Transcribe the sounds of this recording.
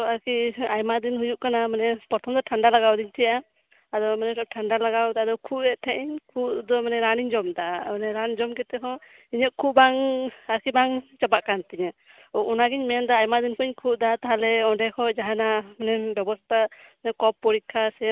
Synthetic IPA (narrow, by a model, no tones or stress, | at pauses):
aɾkiajmad̪inɦujuʔkanamanɛpɔt̪ʰɔmd̪ɔʈʰaɳɖalaɡawd̪iɲt̪ʰɛjaʔa | ad̪ɔmanɛʈʰaɳɖalaɡawd̪aad̪ɔkʰuʔɛʔt̪ʰɛʔɛɲkʰuʔd̪ɔmanɛɾaniɲd͡ʒɔmd̪aʔamanɛɾand͡ʒɔmkɛt̪ɛɦɔ̃ | iɲəʔ̪̚kʰubaŋaɾkibaŋt͡ʃabaʔkant̪iɲa | ɔʔɔnaɡiɲmɛnd̪ɔajmad̪inkʰɔɲkʰuʔd̪at̪aɦalɛɔ̃ɖɛkʰɔʔd͡ʒaɦanamanɛbɛbɔst̪ʰaɲɛkɔpːɔɾikʰːasɛ